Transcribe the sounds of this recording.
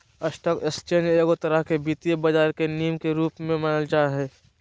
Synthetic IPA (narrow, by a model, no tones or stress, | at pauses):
əsʈəkɪst͡ʃeːnd͡ʒeːɡot̪əɾəɦkebiːt̪ijebɐd͡ʒaːɾkeniːmkeɾuːpmẽmɐnəld͡ʒaːɦɛː